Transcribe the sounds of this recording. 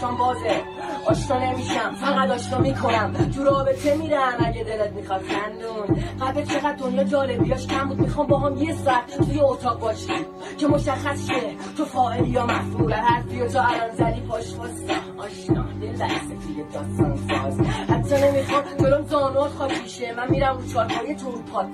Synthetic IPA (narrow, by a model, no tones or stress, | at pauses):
ɔmbɒːze | ʔɒːʃkɒːnemiʃæmfæɣæd̪ɒːʃnɒːmikʰo̞næmt̪ʰuɾɒːbe̞t̪ʰe̞miːd̪æmæɟed̪elet̪̚mixɒd̪̥xænd̪unɡæbet̪t͡ʃʰe̞ɣæd̪̚d̪o̞njɒːd͡ʒɒːle̞bijɒːʃcʰæmbud̪̚mixɒːmbɒɦɒmjesɔːæt̪ʰt̪ʰujeot̪ʰɒːʁbɒːʃim | cʰemo̞ʃæxːæsʃe | t̪ʰofɒːʔelijɒːmæhfulæt̪hæsb̪ijot̪ʰoælɒnzæd̪iːpʰɒʃmɒsæhɒːʃnɒ̰ːd̪elbæɾset̪ʰujed̪ɒːst̪ɒnst̪ɒshæt̪ːt͡ʃːɒne̞mixɔmd͡ʒoɾomzɒːnuɒt̪xɒpʰiʃemænmiːɾæmut͡ʃʰɒːɾpʰɒːjet̪ʰuɾpʰɒːt̪